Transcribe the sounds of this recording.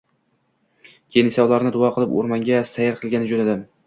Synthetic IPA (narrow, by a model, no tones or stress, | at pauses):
kʲʰenɪsawlˠaɾnɪd̪ʊɒqʰɨlˠɪpo̰ɾmaŋɡʲasajɪɾqʰɨlˠɡʲanɪd͡ʒolad̪ɪm